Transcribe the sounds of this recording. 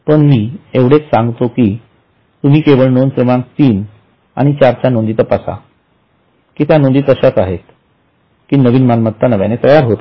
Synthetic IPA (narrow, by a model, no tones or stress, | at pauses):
pəɳmiːeʋɽet͡ssãŋɡt̪okiː | t̪um̤iːkeʋəɭnonsɾəmãŋk̚t̪iːn | a̰ɽ̃it͡ɕaɾt͡ɕanond̪it̪əpasa̰ | kiːt̪janond̪iːt̪əɕjat͡saɦet̪ | kiːnəʋiːnmanmət̪ʰːanəʋjanet̪əjaɾɦot̪